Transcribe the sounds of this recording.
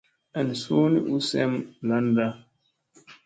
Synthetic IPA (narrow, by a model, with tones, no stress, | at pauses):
ɛ˨n˨su˦ni˦ʔu˦sɛ˦mla˦nda˦